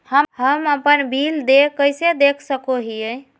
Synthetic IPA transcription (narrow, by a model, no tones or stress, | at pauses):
həmɦəməpənbʱild̪ekəjsed̪ekʰsəkoɦiəj